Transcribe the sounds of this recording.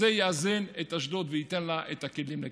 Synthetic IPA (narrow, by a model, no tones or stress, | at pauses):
ejaazenet̪aʃdot̪veit̪enlaʔet̪akilimle